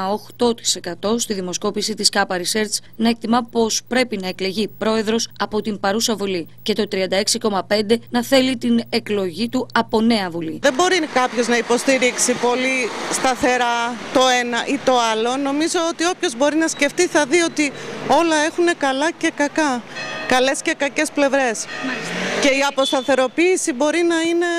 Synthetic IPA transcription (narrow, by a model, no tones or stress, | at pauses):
oxt̪o̞t̪i̥se̞kɐt̪o̞st̪iðimo̞sko̞pisit̪iskɐpɐɾise̞ɾt͡s | nɐek̚t̪imɐpo̞spɾe̞pinɐe̞kle̞ʝipɾo̞e̞ðɾo̞sɐpo̞t̪impɐɾusɐvuli | ce̞t̪o̞t̪ɾiɐnd̪ɐe̞ksiko̞mɐpe̞nd̪e̞nɐθe̞lit̪ine̞klo̞ʝit̪uɐpo̞ne̞ɐvuliðe̞bo̞ɾikɐpço̞znɐipo̞st̪iɾiksipo̞list̪ɐθe̞ɾɐt̪o̞e̞nɐʔit̪o̞ɐlo̞no̞mizo̞ot̪io̞pço̞zbo̞ɾinɐsce̞ft̪iθɐðio̞t̪io̞lɐe̞xune̞kɐlɐce̞kɐkɐkɐle̞sce̞kɐce̞sple̞vɾe̞s | ce̞iɐpo̞st̪ɐθe̞ɾo̞piːsibo̞ɾinɐine̞